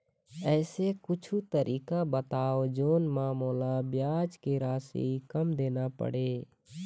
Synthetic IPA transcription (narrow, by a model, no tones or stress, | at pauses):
ɛːsekʊt͡ʃʰut̪əɾʔiːkabət̪aːod͡ʒoːnmaːmoːlabjaːd͡ʒkeɾasḛikəmd̪eːnapə̰ɽeː